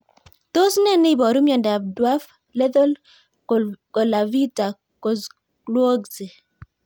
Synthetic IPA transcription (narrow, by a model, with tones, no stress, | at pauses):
to˦snɛ˦ne˦˨bɔ˨ɾu˦mjɔ˨nda˨b̚dwa˦f | le˦ðo˦l | ko˨la˨vi˦ta˨ | ko˨ | klwo˦ɡze˨